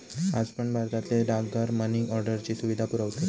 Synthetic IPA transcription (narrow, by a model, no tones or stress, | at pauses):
ad͡zpəɳbʱaɾt̪at̪leɖaɡɡaɾməniŋɡɔɾɖəɾt͡ɕiːsuʋid̪ʱapuɾəʋt̪i